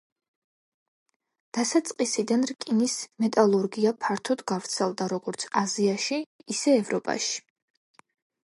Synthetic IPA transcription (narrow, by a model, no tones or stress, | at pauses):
d̪̥asat̪sʼqʼisid̪anɾkʼinismɛt̪ʼalˠuɾɡiapʰaɾt̪ʰɔd̪ɡavɾt̪sʰɛlˠd̪aɾɔɡɔɾt̪sʰaziaʃiːsɛːvɾɔpʼa̰ʃi̥